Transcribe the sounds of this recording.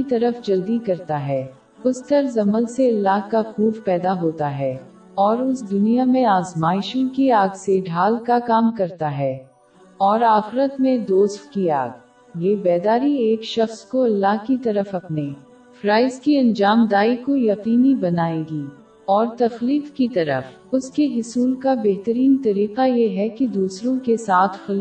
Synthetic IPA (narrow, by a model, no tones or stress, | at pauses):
it̪ɐɾəfd͡ʒɐld̪ikɐɾt̪aɦɛː | ʊst̪əɾzɐməlseɐlːaɦkaxuːfpɛːd̪aɦoːt̪aɦɛː | ɔːɾʊsd̪ʊnijamẽaːzmaːɪʃõkiaːɡseɖʱaːlkakaːmkɐɾt̪aɦɛː | ɔːɾaːxɪɾət̪mẽd̪oːst̪kiaːɡ | jeːbɛːd̪aːɾieːkʃɐxskoɐlːaɦkit̪ɐɾəfɐpneː | fɾaːɪzkiɐ̃nd͡ʒaːmd̪aːikojɐqiːnibɐnaːeːɡiː | ɔːɾt̪ɐxliːfkit̪ɐɾə̰f | ʊskeɦʊsuːlkabeɦt̪əɾiːnt̪ɐɾiːqajeɦɛkid̪uːsɾõkesaːt̪ʰxɐl